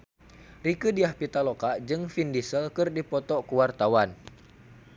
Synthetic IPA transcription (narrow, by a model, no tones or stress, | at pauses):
rikɨdiahpit̪alokaʔd͡ʒɨŋfindisəlkɨrdipɔt̪ɔkuwart̪awan